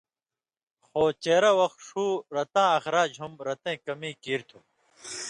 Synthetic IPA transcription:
xoːt͡ɕeːɾɐwɐxt̪ʂuːɾɐt̪ãːɐxɾaːd͡ʑɦumɾɐt̪ẽːkɐmĩːkiːɾt̪ʰũː

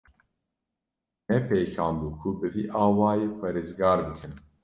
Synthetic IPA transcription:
nɛpʰejkʰaːmbukʰubɨvḭːʔaːwaːjeːpʰɑːɾeːzɡaːɾbɨkʰɨn

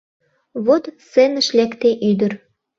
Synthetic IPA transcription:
βot̪senə̆ʃlʲækt̪eʔyd̪ə̆ɾ

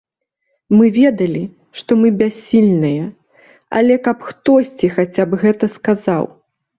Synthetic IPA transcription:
mɨvʲɛd̪ɐlʲi | ʂt̪ɔmɨbʲasʲːilʲnɨjɐ | ɐ̰lʲɛkɐpxt̪ɔsʲt͡sʲixat͡sʲapɣɛt̪ɐskaza̰w

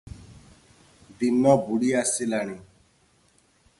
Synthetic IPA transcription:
binɔbuɽiasilaɽ̃ĩ

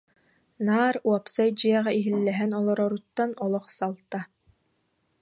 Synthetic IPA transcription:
naːɾuɔpsajd͡ʑiɛʁɛiɦilːɛɦɛnɔlˠɔɾɔɾut̪ːanɔlˠɔχsalˠt̪a

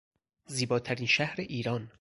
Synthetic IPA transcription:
ziːbɒːt̪ʰæɾiːnʃæhɾeʔiːɾɒːn

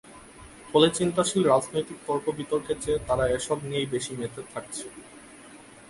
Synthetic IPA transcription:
folet͡ɕint̪aʃilɾad͡ʑnojt̪ik̚t̪ɔɾpobit̪oɾket͡ɕet̪aɾaeʃɔbniejbeʃimet̪ʰet̪ʰak̚t͡ɕʰe

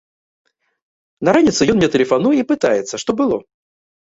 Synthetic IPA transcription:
nɐɾanʲit̪sɨjɔnmʲnʲɛt̪əlʲɪfanujəipɨt̪ajɪt̪sːəʂt̪ɔbɨlˠɔ

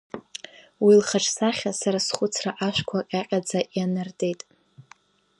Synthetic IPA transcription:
wilχaʈ͡ʂʰʼsaχʲasaɾasχʷʊt͡sʰraʔaʃʷᶣkʷʰaqʲʼaqʲʼad͡zaʔjanɨrtʼe̞jtʼ

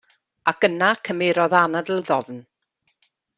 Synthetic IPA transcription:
ak̚ənakʰəmɪɾɔðanadlˠðɔvn

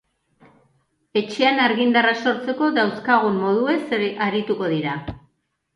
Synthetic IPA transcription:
e̞t͡ʃe̞anaɾɣind̪araso̞ɾt͡se̞ko̞ðawskaɣ̞umːo̞ð̞ue̞saɾit̪uko̞ðiɾa

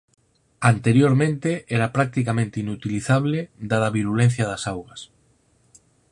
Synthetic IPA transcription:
ant̪eɾjoɾmẽnt̪eɛɾapɾak̚t̪ikamẽnt̪einut̪iliθaβled̪aðɐβiɾulẽn̟θjɐðasawɣɐs

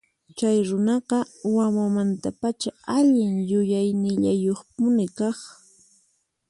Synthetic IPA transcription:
t͡ʃajɾʊnɑqɑwamamant̪apat͡ʃaaʎɪŋjʊjajnɪʎajoχp̚ʊnɪkɑχ

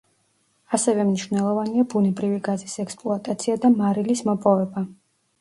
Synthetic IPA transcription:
asɛvɛmniʃvnɛlˠɔvaniabunɛbɾiviɡazisɛkspʼlˠuat̪ʼat̪sʰiad̪amaɾilismɔpʼɔvɛba

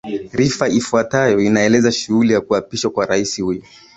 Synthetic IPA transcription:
ɾifaifuatajɔinaɛlɛzaʃuhulijakuapiʃwakwaɾaisihujɔ

